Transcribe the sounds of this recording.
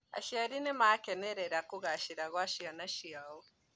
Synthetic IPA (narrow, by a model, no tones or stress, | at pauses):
a̰ʃiaɾinemaakeneɾedakuɡaaʃiɾaɡoaʃijanaʃijao